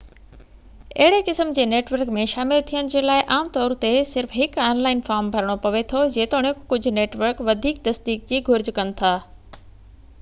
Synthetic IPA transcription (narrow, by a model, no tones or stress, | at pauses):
ɐɦɪɽekɪsəmd͡ʑeːneːʈʋəɾkmẽʃaːmɪlt̪ʰijəñɪ̆d͡ʑeːlaːɪʔaːmt̪ɔːɾt̪esɪɾfɦɪkaːnlaːɪnfaːɾmbʱɐɾəɽ̃opɐʋet̪ʰod͡ʑeːt̪oɽ̃ẽkʊd͡ʑʱʊ̆neːʈʋəɾkʋɐd̪ʱiːk̚t̪ɐsd̪iːk̚d͡ʑiːɡʱʊɾd͡ʑkɐnɪ̆t̪ʰaː